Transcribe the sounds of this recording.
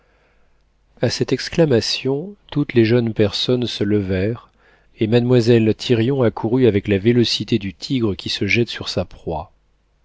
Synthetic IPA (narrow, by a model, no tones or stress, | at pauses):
asɛt̪ɛksklamasjɔ̃t̪ut̪leʒœnpɛʁsɔnsələvɛʁ | emad̪mwazɛlt̪ʰiʁjɔ̃akʰuʁyavɛklavelɔsit̪ed̪yt̪ʰiɡʁəkʲʰisəʒɛt̪syʁsapχwa